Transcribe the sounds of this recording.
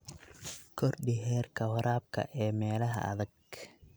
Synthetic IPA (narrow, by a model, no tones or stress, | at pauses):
kʰɔrɖɪɦɛːrkʰɐwɐɾaːb̚kʰɐ̰ʔɛːmɛːlɐɦɐ̰ʔɐ̰ðɐɡ